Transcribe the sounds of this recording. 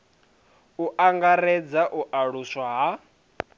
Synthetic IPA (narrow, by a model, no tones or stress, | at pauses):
uʔaŋɡaɾɛd͡zaʔuʔaɺuswaɦa